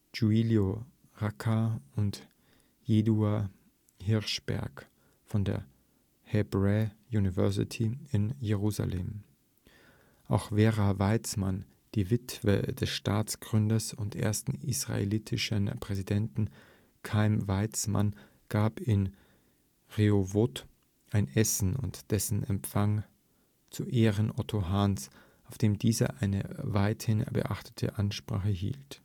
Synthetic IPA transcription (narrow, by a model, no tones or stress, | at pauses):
d͡ʒuiljo | ʁakʰaʊnt | jeːdua | hɪɐʃb̥ɛ̰ɐk | fɔndḛːɐ | hɛbʁɛjuːnivɛɐsɪ̰tʰiɪnjeʁuːza̰leːm | ʔaʊxveːʁavaɪt͡sman | d̥iːvɪtv̥ə̰dɛsʃtaːt͡sɡ̥ʁʏndɐsʊntʔḛːɐstn̩isʁ̥a̰ḛlitʰɪʃənpʁ̥ɛzidɛntn̩ | kʰaɪmvaɪt͡sma̰n | ɡ̥aːpɪn | ʁeovot | ʔaɪnʔɛsn̩ʊ̰ntd̥ɛsn̩ɛmfaŋ | t͡suʔeːʁənʔɔtʰoɦans | ʔaʊfd̥eːmdiːzɐ̰ʔaɪnə̰vaɪthɪnbə̰ʔaχtʰə̥tʰə̰ʔanʃpʁ̥a̰ːχəɦḭːlt